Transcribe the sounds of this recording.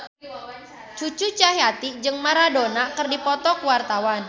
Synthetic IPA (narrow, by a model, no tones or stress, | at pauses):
t͡ʃut͡ʃut͡ʃaɦjat̪id͡ʒɨŋmaɾadonakɨrdipɔt̪ɔkuwart̪awan